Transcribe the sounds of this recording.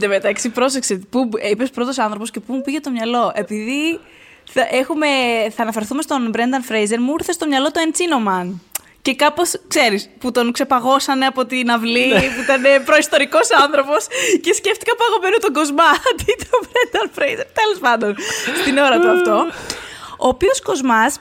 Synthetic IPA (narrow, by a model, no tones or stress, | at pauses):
d̪emet̪ɐksipɾo̞s̬ekset̪puipe̞spɾo̞t̪o̞sɐnθɾopo̞sce̞pumupiʝet̪o̞mɲɐlo̞ʔe̞piði | θɐʔe̞xume̞θɐːnɐfe̞ɾθumest̪o̞nbɾend̪ɐnfɾejze̞ɾmuiɾθest̪omɲɐlo̞t̪oent͡sino̞mɐn | ce̞kɐpo̞skse̞ɾisput̪o̞nkse̞pɐɣo̞sɐneɐpo̞t̪inɐvlipuit̪ɐne̞pɾo̞ist̪o̞ɾiko̞sɐnθɾo̞po̞sce̞sce̞ft̪ikɐpɐɣo̞menot̪oɡo̞zmɐt̪it̪obɾend̪ɐnfɾejzeɾt̪elo̞spɐnd̪o̞nst̪ino̞ɾɐt̪uɐft̪o̞ | oːpiosko̞zmɐs